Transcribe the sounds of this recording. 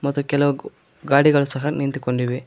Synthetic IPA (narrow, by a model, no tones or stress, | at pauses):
mɐt̪ːukɛlɐʋu | ɡaːɽiɡɐɭusɐɦɐnint̪iukoɳɖiʋi